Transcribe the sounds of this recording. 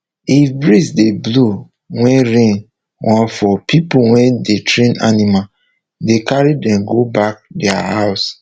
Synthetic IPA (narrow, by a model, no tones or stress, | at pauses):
ifbɹisdeblo | wɛ̃nɹẽn | wʔãnfɔpʰipuwɛ̃ndetɹẽna̰nima | dekaɹidɛ̃mɡobak̚dɛa̰haʊs